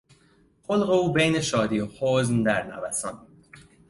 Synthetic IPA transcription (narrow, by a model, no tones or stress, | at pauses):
xolɣeuːbejneʃɒːd̪iːohoːznd̪æɾnæ̰væsɒn